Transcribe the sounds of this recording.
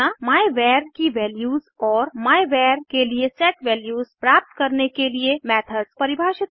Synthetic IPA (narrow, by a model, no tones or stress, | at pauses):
amaːjʋɛɾkiʋɛːljuzɔːɾmaːjʋɛːɾkeliesɛːʈʋɛljuːzpɾap̚t̪kəɾnekeliemɛt̪ʰəz̥pəɾibʱaːʃɪt̪